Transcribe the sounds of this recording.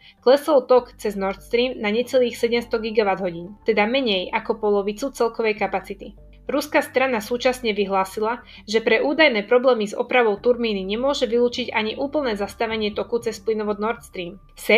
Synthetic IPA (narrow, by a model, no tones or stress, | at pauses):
klɛsɔlt̪ɔkt͡sɛznɔɾt̪st̪ɾiːmnaɲɛt͡sɛliːxsɛɟɛmst̪ɔɡiɡaʋad̪ɦɔɟiːnt̪ɛd̪amɛɲɛjakɔpɔlɔʋit͡sut͡sɛlkɔʋɛjkapat͡sit̪i | ɾuskast̪ɾanasuːt͡ʃasɲɛʋiɦlaːsila | ʒɛpɾɛʔuːd̪ajnɛːpɾɔblɛːmizɔ̰pɾaʋɔʊt̪uɾmiːniɲɛmʊɔʒɛʋiluːt͡ʃiɟaɲiʔuːpl̩ˠnɛːzast̪aʋɛɲɪɛt̪ɔkut͡sɛsplinɔʋɔd̪nɔɾt̪st̪ɾiːm | sɛ